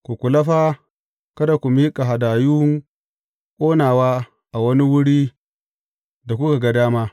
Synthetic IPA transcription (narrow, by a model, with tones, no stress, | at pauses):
kʷu˨kʷu˨lɐ˦ɸaː˦ | kɐ˦da˨kʷu˨miː˦kʼa˨ɦa˨daː˨ju˦ŋ | kʷʼoː˦naː˨waː˦ | ʔa˨wɐ˦ni˦wʊ˦ɽiː˦ | da˨kʷʊ˦ka˨ɡa˦daː˦maː˦